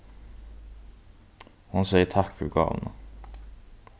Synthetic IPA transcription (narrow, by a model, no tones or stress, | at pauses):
hʊnsɛɪətʰɑkfœɾɡɑ̰ːln̩ə